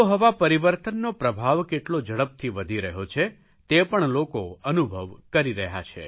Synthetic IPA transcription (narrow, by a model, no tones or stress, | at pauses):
oɦəʋapəɾiʋəɾt̪ənːopɾəbʱaʋkeʈlod͡ʒəɭəp̚t̪ʰiʋəd̪ʱiɾəɦot͡ʃʰe | t̪epəɳlokoənubʱəʋkəɾiɾəɦja̰t͡ʃʰḛ